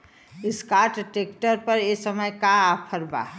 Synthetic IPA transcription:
ɪskaɾʈʈeːkʈəɾpəɾesəməjkapʰəɾba̰

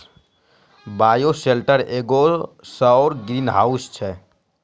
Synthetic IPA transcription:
baːjoselʈəɾeːɡosəɔːɾɡɾiːnɦaːʊst͡ʃʰɛ

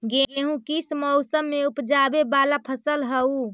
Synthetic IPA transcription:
ɡeeɦũkismɔʊsəmːeupd͡ʒabebalapʰəsəlɦəu

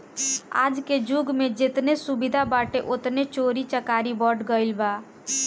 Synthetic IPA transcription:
a̰ːd͡ʒked͡ʒuɡmed͡ʒet̪nesubid̪ʱabaʈeʔot̪net͡ʃoɾit͡ʃəkaːɾibɔɖɡəɪlba

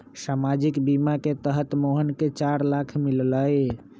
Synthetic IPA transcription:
samad͡ʒikbimaket̪əɦət̪moɦənket͡ʃaɾlakʰmilləj

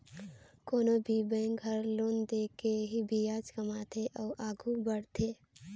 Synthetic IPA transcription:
koːnobʱibɛ̃ːŋkɦəɾloːnd̪eːkeɦibʱijaːd͡ʒkɐmat̪ʰeʔɔːʔaːɡʱubəɽt̪ʰeː

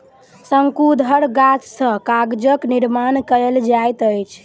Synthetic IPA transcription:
səŋkud̪ʱəɾɡat͡ʃsə̃kaɡd͡ʒəkniɾmankəld͡ʒajt̪əjt͡ʃʰ

